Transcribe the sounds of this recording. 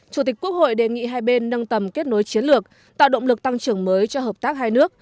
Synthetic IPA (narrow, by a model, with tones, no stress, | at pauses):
t͡ɕu˧˩t̪i̟˨˩kːu˦˥ək̚ho̰˧˨jɗe˨˩ŋḭ˧˨ɦaː˧jɓe˧nːə˧nt̪ə˨˩mke˦˥t̚no˨˦jt͡ɕi˨˦ənlɨ˨˩ək̚ | t̪a̰ː˧˨wɗə̰˧˨wŋ͡mlɨ˨˩k̚t̪a˧ŋt͡ɕɨ˧˩əŋməː˨˦jt͡ɕɔ˧ɦəː˨˩p̚t̪aː˦˥k̚haː˧jnɨ˦˥ək̚